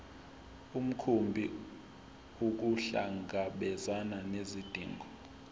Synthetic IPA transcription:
um̩kʰumbʱi | uk̬uɬa̰ŋɡʱaɓɛzananezid̥ʱḭːŋɡʱɔ

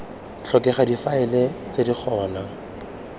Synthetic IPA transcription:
t͡ɬʰɔkɛχadifaɛlet͡sedik͡xʰɔːna

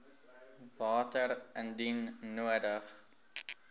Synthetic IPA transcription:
vɑːtəɾəndinːuədəχ

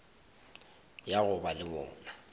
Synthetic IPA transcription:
jaɣʊbalɪmɔ̰ːna

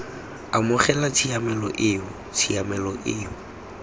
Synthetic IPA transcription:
amʊχɛlat͡sʰiamɛlɔʔɪːʊ | t͡sʰiamɛlɔʔɪːʊ

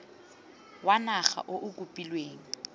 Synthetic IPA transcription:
wanaχa̰ʔoʔʊkʼupʼilweːŋ̩

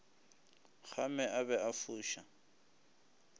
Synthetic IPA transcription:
χʰamɛʔabɛafuːʃa

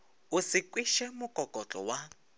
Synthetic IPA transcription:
ʊsɪkʼwiʃɛmʊkʼɔkʼɔt͡ɬʼɔ̰wa

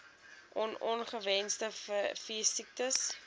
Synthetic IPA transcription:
ʔɔnɔnχəvɛnsdəfiəsik̚təs

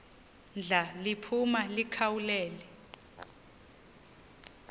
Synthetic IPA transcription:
nd͡ɮʱalipʰumalikʰawulɛːlɛ

